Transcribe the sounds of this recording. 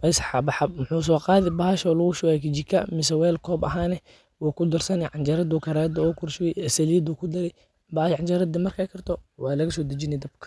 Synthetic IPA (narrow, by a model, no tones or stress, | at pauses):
wɛsħɑbɑħɑbmʊħuːs̬ɔːqɑːðɪbɐhɐʃɔlʊɣʊʃʊwakɪt͡ʃɪkʰɐ̰mɪsɛwɛːlkʰɔːbɐɦaːnɛ | waːkʰʊd̪ɐrsɐnɛʕɑnd͡ʒɐɾɐd̪uːkʰɐɾaːd̪ɐkʊrʃɪjɛjɛsɐliːd̪uːkʰʊd̪ɐɾɛ | baːjʕɑnd͡ʒɐɾɐd̪imɐrkʰakʰɐrt̪ʰɔwɑːlɐɣɐsɔːd̪ɐd͡ʒɪnɛd̪ɐb̚kʰɐ̥